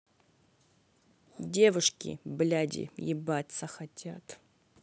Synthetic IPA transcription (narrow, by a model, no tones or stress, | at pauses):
dʲevuʂkʲḭblʲadʲɪ̰jɪ̰batʲsaxatʲʰat̪